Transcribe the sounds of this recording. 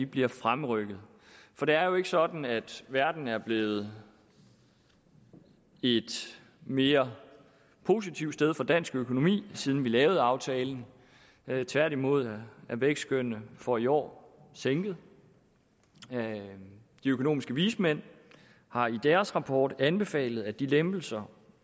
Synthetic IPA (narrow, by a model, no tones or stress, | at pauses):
ib̥liɐfʁamʁœɡ̥ð̩ˠ | fɒ̽d̥e̝æɐjo̝e̝ɡ̥əsɒ̽d̥n̩æd̥ʋæɐd̥n̩æɐb̥le̝ːð̞̩ˠ | e̝d̥ | me̝ːɐ | pʰo̝ːsit͡sʰiʊ̥sd̥eð̞ˠfɒ̽d̥æn̰sɡ̥økʰo̝no̝mḭːsiːðˠn̩ʋilɛːʊð̞̩ˠɑ̈ʊt͡sʰɛːln̩ | t͡sʰʋæɐ̰ɾimo̝ð̰ˠæʋeɡ̥sɡ̥øn̰əfɒ̽iɒ̰ːseŋɡ̥ð̞̩ˠ | d̥iøkʰo̝no̝̰ːmisɡ̥əʋiːsmen̰ | hɑ̈id̥æːɐsʁɑ̈pʰɒːd̥ænb̥e̝fɛ̰ːlð̞̩ˠæd̥ilemb̥l̩sɐ